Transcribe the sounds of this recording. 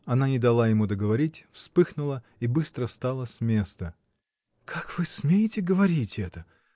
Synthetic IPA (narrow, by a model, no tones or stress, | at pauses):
ɐnanʲɪd̪ɐlˠajɪmud̪əɡəvɐɾʲitʲfspɨxnʊlˠə | ibɨst̪ɾəfst̪alˠəsʲmʲe̞st̪ə | kʰakvɨsmʲejɪtʲɪɡəvɐɾʲitʲɛt̪ə